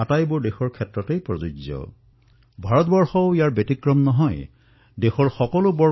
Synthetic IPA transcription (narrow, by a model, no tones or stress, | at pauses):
atajbʊɹdexɔɹkʰɛtɹɔtejpɹɔzuzɔ̰ | bʱaɹɔtbɔɹxɔijaɹbetikɹɔmnɔɦɔj | dexɔɹxɔkɔlʊbɔ